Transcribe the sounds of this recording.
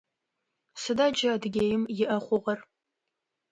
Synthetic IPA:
sɨdaːd͡ʒɐːdɨɡʲejɪmjɪʔɐχʷʊʁɐr

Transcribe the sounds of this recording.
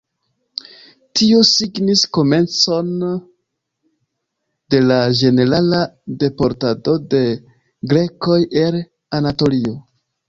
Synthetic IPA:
tiosiɡnisko̞me̞nt͡so̞n | d̥e̞lad͡ʒe̞ne̞ɾalade̞po̞ɾtado̞de̞ | ɡɾe̞ko̞je̞l | anato̞lio̞

